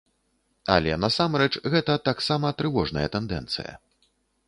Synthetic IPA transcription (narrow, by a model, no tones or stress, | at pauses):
ɐ̰lʲɛ̰nɐsamɾɛt͡ʂɣɛt̪ɐt̪aksamɐt̪ɾɨvɔʐnɐjɐt̪ɛnd̪ɛ̰nt̪sɨ̰jɐ̰